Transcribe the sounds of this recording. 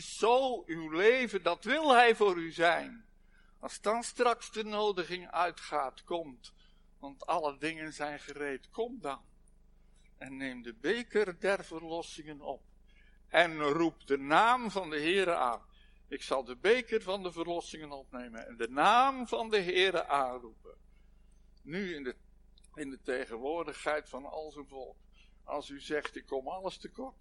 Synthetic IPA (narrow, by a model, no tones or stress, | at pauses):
ɪsːowywlejvəndɑtʋɪlˠɦɛjvʊːɾyzɛjn | ɑlˠsdɑnstrɑksdənowdəχɪŋœɥtχaːtkɔmt | ʋɑntɑlədɪŋənzɛjnχərejtkɔmdɑn | ɛnːejmdəbejkərdɛrv̥ərlɔsɪŋənɔp | ʔɛnrupdənaːmvɑndəɦɪːɾəʔa̰ːn | ɪksɑlˠdəbejkərvɑndəvərlɔsɪŋənɔpnejmənɛ̰ndənaːmvɑndəɦɪːɾəʔaːnrupə̰ | yɪ | ɪndətejχənʋʊːrdəχɦɛjtfɑnɑ̰lˠzənvɔlˠk | ɑ̰lˠsyzɛχtɪkʰːɔmɑləstəkɔrt